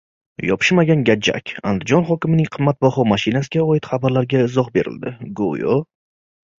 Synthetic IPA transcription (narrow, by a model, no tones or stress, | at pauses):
jɒpʰɪ̥ʃmaɡʲanɡʲad͡ʒa̰kʲa̰nd̪ɪd͡ʒɒnχɒkʲɪmɪnɪŋqʰɨmːat̪̚bɒχɒmaʃɪnasɪɡʲaɒjɪt̪χabaɾlaɾɡʲaɪzɒqbe̞ɾɪ̰ld̪ɪɡo̰jo